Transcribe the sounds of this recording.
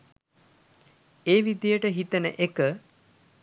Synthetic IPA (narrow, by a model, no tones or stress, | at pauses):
eːʋid̪jəʈəɦit̪ənə̰ʔekə